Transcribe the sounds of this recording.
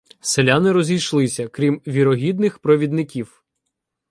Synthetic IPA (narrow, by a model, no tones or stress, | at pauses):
selʲanɪɾɔzʲijʃlˠɪsʲɐkɾʲimʋʲiɾɔɦʲid̪nɪxpɾɔʋʲid̪nɪkʲiw